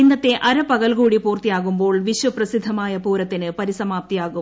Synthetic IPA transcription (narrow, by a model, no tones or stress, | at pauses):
inːɐt̪ːe̞ʔɐɾɐpɐɣɐlɣuːɽipuːrt̪ijaːɣumbo̞ːɭʋiɕʋɐprɐsid̪ʱːɐmaːjɐpuːɾɐt̪ːinɨpɐɾisɐmaːp̚t̪ijaːɣu